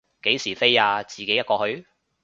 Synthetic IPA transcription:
ke˨˥jsiː˨˩fe˥jaː˧t͡siː˨ke˨˥jɐ˥t̚kɔː˧hɵ˧ɥ

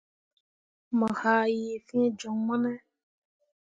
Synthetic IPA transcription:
mə̃˨ha˨ji˨fĩ˦ẽ˦d͡ʒɔ˨ŋmɔ̃˦nɛ̃˦

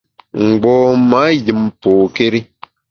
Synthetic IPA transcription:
ŋ̩˨ɡ͡bɔː˨ma˨˦ji˨mpoː˨ke˦ɾi˦

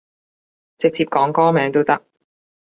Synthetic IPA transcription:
t͡sɪ˨k̚t͡sʰiː˧p̚kɔː˨˥ŋkɔː˥mɛː˨˥ŋt̪o˥wt̪ɐ˥k̚

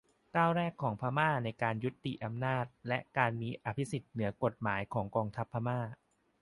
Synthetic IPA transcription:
kaː˥˩wɾɛː˥˩kʰːɔː˩˦ŋpʰa˧maː˥˩na˧jkaː˧nju˦˥t̪ːi˨˩ʔa˧mnaː˥˩t̪̚lɛ˦˥ʔkaː˧nmiː˧ʔa˧pʰi˦˥si˨˩t̪̚nɯ˩˦ɐko˨˩t̪̚maː˩˦jkʰɔː˩˦ŋkɔː˧ŋt̪ʰa˦˥pʰːa˧maː˥˩

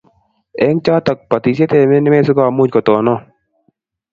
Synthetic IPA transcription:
ɛ˦ŋt͡ʃa˦t̪a˨k̚pa˨t̪i˨se˦t̪ɛ˨mɪ˦nɪ˦mɛ˦s̬ʊ˦ka˦˨mu˦d͡ʒkɔ˨t̪ɔ˨nɔ˦

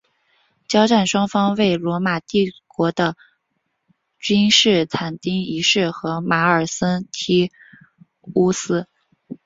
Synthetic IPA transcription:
t͡ɕjɑ˥ʊʈ͡ʂa˥˩nʂwɑ˥ŋfɑ˥ŋwe˥˩ɪlwɔ˧˥ma˨˩t̪i˥˩kwɔ˧˥d̪ə˧ | t͡ɕy˥nʂɻ̩˥˩t͡s̪ʰa˨˩nt̪i˥ŋi˧˥ʂɻ̩˥˩xɤ˧˥ma˧˥ə˞˨˩sə˥nt̪ʰi˥ | u˥sɹ̩˥

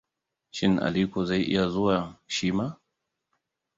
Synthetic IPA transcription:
ʃɪ˦na̰˨li˦kʷɔ˨za˦i˦ʔḭ˦ja˨zu˦a˨ʃi˦ma˦

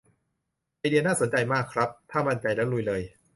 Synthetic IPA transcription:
ʔaː˧jdi˧ənaː˥˩so˩˦nt͡ɕa˧jmaː˥˩kʰːɾa˦˥p̚t̪ʰaː˥˩ma˧˥˩nt͡ɕa˧jlɛː˦˥wlu˧jlɤː˧j

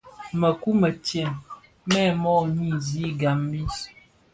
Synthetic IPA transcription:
mə˨ku˦mə˨tjɛ˨ŋ | mɛ˦˨mɔ˦˨mi˦˨zi˨˦ɡa˨m˦bi˦

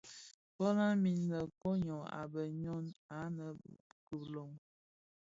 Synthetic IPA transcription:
bɔ˦la˦mi˨nnə˨ko˦ɲɔ̃˨a̰˨bə˨ɲɔ˦na˨˦nə˨ku˨lo˨ŋ

